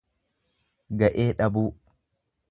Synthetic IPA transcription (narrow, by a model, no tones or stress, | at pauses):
ɡɐʔeːᶑɐbuː